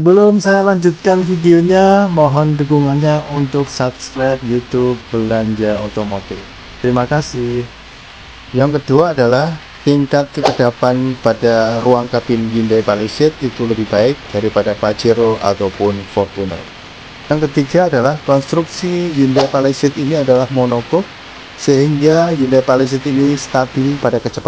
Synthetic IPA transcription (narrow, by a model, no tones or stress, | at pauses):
ssəbəlʊmsajalaɲd͡ʒut̪̚kanfidioɲamɔɦɔndəɡuŋanɲaʔunt̪ʊksapskɾat̪̚jut̪ub̚bəlaɲd͡ʒaot̪omot̪ɪf | t̪əɾimakasɪh | jaŋkəduaːdalah | piŋkat̪̚kəkədapanpadaruaŋkapɪnd͡ʒindajpalisɪt̪̚it̪uləbɪhbaɪk̚d̥aɾipadapat͡ʃiɾoa̰t̪awpʊnfɔrt̪una̰ | jaŋkət̪iɡaːdalahkɔnst̪ɾuksid͡ʒindajpalisɪt̪iniadalahmonokɔk̚ | səɦiŋɡad͡ʒindajpalis̬ɪt̪inist̪abɪlpadakət͡ʃəpa